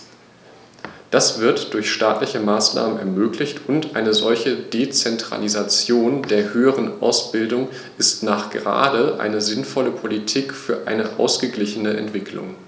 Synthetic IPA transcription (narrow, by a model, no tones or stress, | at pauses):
d̥asv̥ɪɐtd̥ʊɐçʃtaːtlɪçəmaːsna̰ːmənɛ̰ɐmøːklɪçtʊntʔaɪnəzɔlçəd̥et͡sɛntʁ̥a̰lizat͡sjoːndeːɐhøːəʁ̞ənʔa̰ʊsb̥ɪldʊŋ | ʔɪstnaːχɡ̥əʁa̰ːdəʔa̰ɪnəzɪnfɔləpʰolitʰiːkfyːɐʔaɪnəʔa̰ʊsɡ̥əɡlɪçənəʔɛ̰ntv̥ɪkʰlʊ̰ŋ